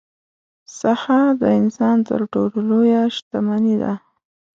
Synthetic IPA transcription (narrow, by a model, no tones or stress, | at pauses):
sahad̪əɪnsɑnt̪ə̰ɾʈollojaʃt̪amanid̪a̰